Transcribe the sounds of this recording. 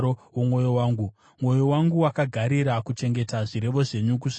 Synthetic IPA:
owomwo̞jowaːŋɡu | mwo̞jowaŋɡuwakaɡʱaɾiɾakut͡ʃe̞ŋɡe̞taʐiɾe̞ʋo̞ʐe̞ɲuk̬uʂ

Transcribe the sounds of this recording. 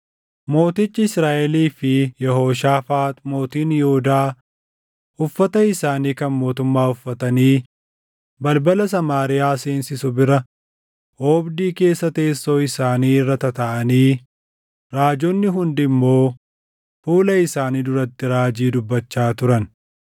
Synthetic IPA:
mo̞ːt̪ɪt͡ʃːɪɪsɾaːʔɛliːfɪjɛɦo̞ːʃaːfaːt̪ʼmo̞ːt̪iːnjɛhʊd̪aː | ʊfːɐt̪ɐɪsaːniːkɐnmo̞ːt̪ʊmːaːʊfːɐt̪ɐniː | bɐlbɐlɐs̬ɐmaːɾɪjaːseːnsɪsʊbɪɾɐ | oːbd̪iːke̞ːsːɐt̪e̞ːsːo̞ːɪsaːniːrːɐt̪ɐt̪ɐʔɐniː | ɾaːd͡ʒɔnːɪɦʊnd̪ɪmːo̞ː | fuːlɐɪsaːniːd̪ʊɾɐt̪ːɪɾaːd͡ʒiːd̪ʊbːɐt͡ʃːaːt̪ʊɾɐn

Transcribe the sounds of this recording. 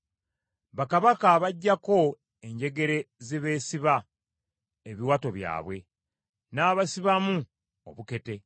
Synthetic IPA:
βakaβakaβaɟːako̞ | e̞ɲɟe̞ɡe̞ɾe̞zeβe̞ːsiβa | eβiwato̞βja̰ːβwe̞̰ | naːβasiβamu | o̰βuke̞te̞

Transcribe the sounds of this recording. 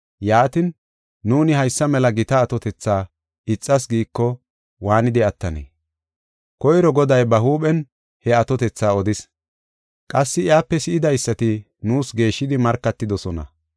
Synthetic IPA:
jaːt̪ɪnː | uːnɪhɐjsːɐmɛlɐɡɪt̪ɐːt̪ɔt̪ɛt͡sːaː | ɪt͡sʼːɐs̬ɡiːkːɔ | waːnɪd̪ɪɐt̪ːɐnḛː | kɔjɾɔɡɔd̪ɐjbɐɦuːɓɛn | hɛɐt̪ɔt̪ɛt͡sːaːɔd̪ɪs | kʼɐsːɪɪaːpːɛsɪʔɪd̪ɐjsːɐt̪ɪ | nuːsɡe̞ːʃːɪd̪ɪmɐɾkːɐt̪ːɪd̪ɔsɔnɐ̰

